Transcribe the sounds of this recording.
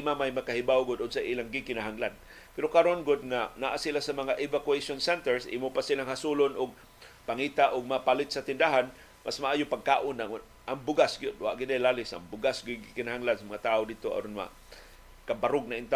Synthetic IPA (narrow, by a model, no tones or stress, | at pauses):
mamajmakahɪbawɡʊd̪od̪saʔiːlaŋɡɪkɪnaɦaŋlan | pɛɾokaɾonɡʊd̪̚ŋanaʔasilasɐmɐŋaʔɪvakuejʃonsɛnt̪ɛɹsʔḭmopasilaŋhasulonʊɡ̚ | paŋiːt̪aʔʊɡ̚mapalɪt̪̚sat̪ɪnd̪aɦan | masmaʔaːjʊpaɡ̚ka̰ːʔʊnaŋ | ʔaŋbʊɡasɡɪjod̪̚wa̰ʔɡɪd̪ajlaːlɪsa̰ŋbʊɡasɡɪɡɪkɪnahaŋlansɐmɐŋat̪aːʔodid̚t̪oa̰ɾʊnwa̰ | kabaɾʊɡ̚naɪnt̪a